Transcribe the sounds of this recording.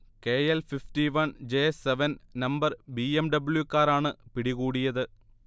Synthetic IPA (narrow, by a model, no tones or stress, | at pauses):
keːelfifʈiʋɐnd͡ʑeːseʋɐnnɐmbɐrbiːemɖɐbɨɭjukaːɾaːɳɨpiɽiɣuːɽijɐðɨ